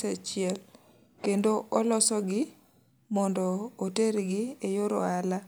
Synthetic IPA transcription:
at͡ʃɪɛl | kendoʔɔlɔsɔɡɪ | mɔndɔːteɾɡɪejoɾo̰ala

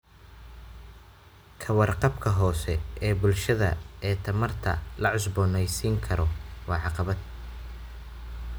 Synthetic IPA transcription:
kʰɐwɑrqɑbkʰɐɦɔːsɛʔɛːbʊlʃɐðɐ̰ɛːt̪ʰɐmɐrt̪ʰɐ̰lɐʕʊsbɔːnɛjsiːŋkʰɐɾɔwɑːʕɑqɑβɐd̪̚

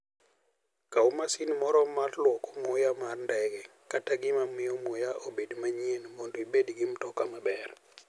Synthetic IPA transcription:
kawmasinmɔɾɔmatlwɔkɔmʊjamarndɛɡɛ | kataɡɪmamɪɔmojaʔobedmaɲienmondoibedɡimtɔkamabɛr

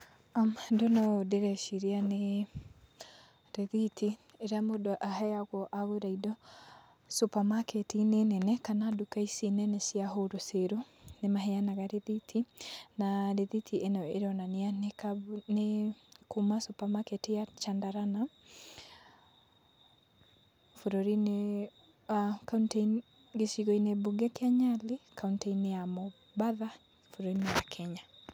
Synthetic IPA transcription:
amndonɔdeɾɛʃiɾiane | ɾɛðitʰi | eɾeamodoʔahɛaɣwɔʔaɣoɾaidɔ | supamakɛtinenɛnɛkanadukaisinɛnɛsiaɦoɾoseɾo | nemaɦɛanaɣaɾeðitʰinaɾeðitʰienɛeɾɔnaneanekanekumasopamaketejat͡ʃandaɾana | foɾoɾine | kauntein | ɡeʃiɣoinebuɡɛkeaɲalekʰaunteinejamo | baða | foɾoɾinejakʰɛɲa

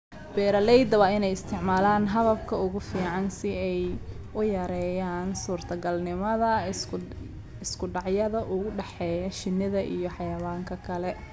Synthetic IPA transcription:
b̥ɛːɾɐlɛjd̪ɐwaːɪnɛjɪst̪ʰɪʕmaːlaːnɦɐðɐbkʰɐʊɣʊfiːʕɑnsɪɛj | ʊjɐɾɛːjaːnsuːrt̪ʰɐɡɐlnɪmɐðɐ | ɪskʰʊɖɑʕjɐðɐʔʊɣʊɖɛħɛːjɐʃɪnːɪðɐʔḭjɞħɑjɐwaːŋkʰɐkʰɐlɛ

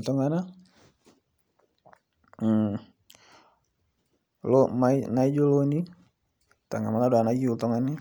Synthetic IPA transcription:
t̪ɔŋana | lɔmainaid͡ʒɔloni | t̪aŋamaladɔanad͡ʒiut̪ɔŋani

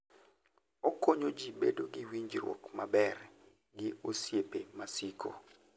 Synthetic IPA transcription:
okoɲod͡ʒibedoɡɪwiɲd͡ʒɾwɔ̰kmabɛr | ɡɪosjepemasiko̰

